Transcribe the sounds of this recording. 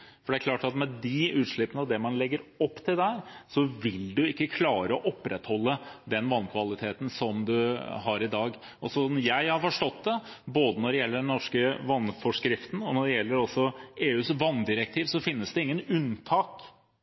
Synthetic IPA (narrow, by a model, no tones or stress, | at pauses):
fɔɖɛæɾkʰlɑːʈɑt̪mɛd̪ɪʉːt̪ʂɭɪpːənəɑd̪ɛmɑnlɛɡːəɾɔpːt̪ʰɪld̪ɛhæːɾsɔʋɪld̪ʉɪkːəkʰlɑːɾəɔʔɔpːɾɛt̪hɔlːəd̪ɛnʋɑnːkʰʋɑlɪt̪ʰeːt̪n̩sɔmd̪ʉɦɑɾɪd̪ɑːɡ | ʔɔsɔsɔmjæɪhɑɾfɔʂʈɔt̪̚d̪ɛ | boːd̪ənɔɖɛjɛlːəɖɛnnɔʂkəʋɑnfɔʂkɾɪft̪n̩ɔnɔɖɛjɛlːəɾɔsːɔeːʉːsʋɑnːd̪ɪɾək̚t̪ʰiːʋsɔfɪnːəsd̪ɛɪŋːənʉnt̪ʰɑːk